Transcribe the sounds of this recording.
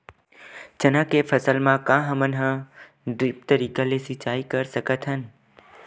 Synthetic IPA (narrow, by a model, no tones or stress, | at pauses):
t͡ʃənãkefʰəsəlmãkãːɦəmənɦə̃ | ɖɾɪp̚t̪əɾiːkalesɪt͡ʃaːikəɾsəkət̪ʰɦən